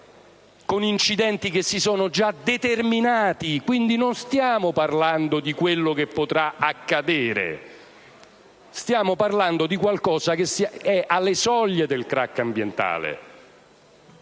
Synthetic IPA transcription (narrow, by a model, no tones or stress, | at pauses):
konint͡ʃid̪ɛnt̪ik̟esːisɔːnod͡ʒad̪et̪erminaːt̪ikwind̪inonst̪jaːmoparland̪od̪ikwelːokepːot̪ɾaakːad̪eːɾḛ | st̪jaːmoparland̪od̪ikwalkɔːzak̟esɛʔalːesɔlːed̪elkɾakːambjent̪a̰ːlḛ